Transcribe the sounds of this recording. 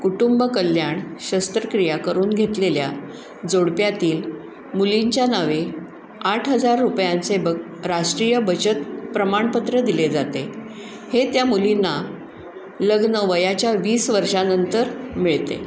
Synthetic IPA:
kuʈumbəkəlːjaɳɕəst̪ɾəkɾijakəɾuːnɡʱet̪lelja̰ | d͡zoɽpjat̪iːl | muliɲt͡ɕjanaʋe | aʈʰɦəd͡zaɾːupjant͡sebə | ɾaʂʈɾijəbət͡ɕət̪pɾəmaɳpət̪ɾəd̪iled͡zat̪e | het̪jamulinːa | ləɡnəʋəjat͡ɕjaʋiːsʋəɾʂanənt̪əɾmiɭt̪ḛ

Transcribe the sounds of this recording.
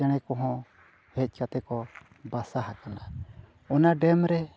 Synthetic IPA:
aɽ̃ɛkɔɦɔ̃ | hɛc̚ˀkat̪ɛkɔ | basaɦakana | ɔnaɖɛmɾɛ

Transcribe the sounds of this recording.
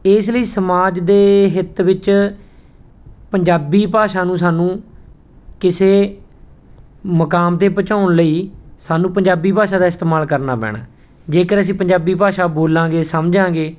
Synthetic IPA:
ɪːsləiːsəmaːd͡ʒd̪eːɦɪt̪ʋɪt͡ʃ | pəɲd͡ʒaːbiːpaːʃaːnũːsaːnũː | kɪseː | məkaːmt̪eːpət͡ʃaːʊɳləiːsaːnũːpəɲd͡ʒaːbiːpaːʃãːd̪aːɪst̪eːmaːlkəɾna̰ːpɛ̰ːɽ̃a̰ː | d͡ʒeːkəɾəs̬ĩːpəɲd͡ʒaːbiːpaːʃaːboːlãːɡeːsəmd͡ʒãːɡeː

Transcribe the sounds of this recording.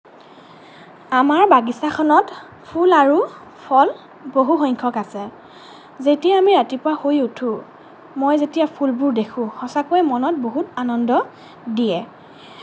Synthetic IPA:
amaɹbaɡisakʰɔnɔt | pʰulaɹu | pʰɔl | boɦuxɔɲkʰɔkasɛ | zetijaːmiɹatipʊwahojutʰũ | mojzetijapʰulbʊɹdekʰʊ̃xɔsakojɛmɔnɔt̚boɦutanɔndɔ | dijɛ

